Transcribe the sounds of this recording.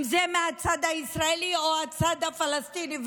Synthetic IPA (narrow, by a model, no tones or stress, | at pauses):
mzemɛ̃ɐt̪sad̪aisɾaeliɔɐt̪sad̪afɐlɐst̪iːniʋ